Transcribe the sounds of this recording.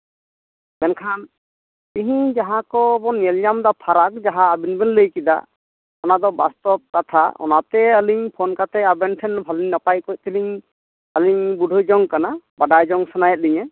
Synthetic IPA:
bɛnkʰan | iɦĩd͡ʒaɦakɔbɔnɛljamd̪apʰaɾakd͡ʒaɦaːbinbɛnləjkid̪a̰ | ɔnad̪ɔbast̪ɔp̚kat̪ʰaɔ̰nat̪ɛəliɲpʰɔnkat̪ɛabɛnʈʰɛnbʱaliɲnapajkɔj̚t̪ʰiliɲ | əliɲbuɖʱɔjd͡ʒɔŋkanabaɖajd͡ʒɔŋsanajɛt̪̚liɲɛ

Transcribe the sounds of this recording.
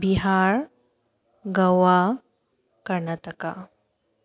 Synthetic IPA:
biɦaɾ | ɡəʋa | kəɾɳat̪əka

